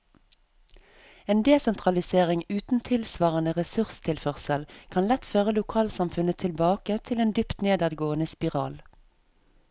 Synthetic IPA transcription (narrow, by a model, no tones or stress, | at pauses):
eːnd̪eːsɛnt̪ʁɑlɪseːʁɪŋʉːt̪n̩t̪ʰɪlsʋɑːʁənəʁɛsʉʁst̪ʰɪlfœʁsəlkʰɑnlɛt̪føːʁəlʊkʰɑːlsɑmfʉnət̪ʰɪlbɑːkət̪ʰɪleːnd̪ʏpt̪neːd̪ɑd̪ɡoːənəspɪʁɑ̰ːl